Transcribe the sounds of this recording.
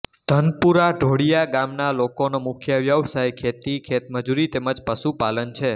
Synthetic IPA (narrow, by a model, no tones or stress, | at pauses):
d̪̥ʱənpuɾaɖʱoɽijaɡamnalokonomʊkʰjəʋjəʋsajkʰet̪ikʰet̪məd͡ʒuɾit̪eməd͡ʒpəʃupalənt͡ʃʰe